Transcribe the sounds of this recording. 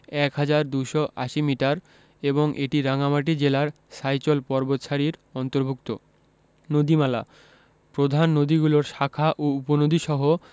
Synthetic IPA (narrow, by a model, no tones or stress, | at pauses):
ɛkɦad͡ʑaɾd̪uʃɔʔa̰ʃimiʈaɾ | eboŋʔeʈiɾaŋamaʈ̬id͡ʑelaɾ | ʃajt͡ɕolpɔɾbot̪ʃaɾiɾɔnt̪oɾbʱuk̚t̪o | nod̪imala | pɾod̪ʱanːod̪iɡuloɾʃakʰaʔouponod̪ʱiʃɔɦo